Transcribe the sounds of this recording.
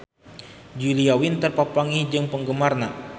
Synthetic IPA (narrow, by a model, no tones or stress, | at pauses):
d͡ʒuliawint̪ərpapaŋid͡ʒɨŋpəŋɡəmarna